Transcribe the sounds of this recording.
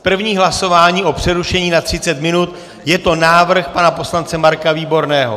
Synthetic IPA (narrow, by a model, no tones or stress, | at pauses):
pr̩vɲiːɦlaso̞vaːɲiːʔo̞pr̥ɛɾuʃɛɲiːnat̪r̥ɪt͡sɛt̪mɪnut̪ | jɛt̪o̞naːvr̩xpanapo̞slant͡sɛmaɾkaviːbo̞ɾnɛːɦo̰